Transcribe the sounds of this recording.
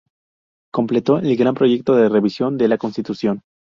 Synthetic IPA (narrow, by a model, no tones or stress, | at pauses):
ko̞mple̞t̪o̞ʔe̞lɡɾampɾo̞ʝe̞k̚t̪o̞ðere̞βisjo̞nd̪elako̞nst̪it̪usjo̞n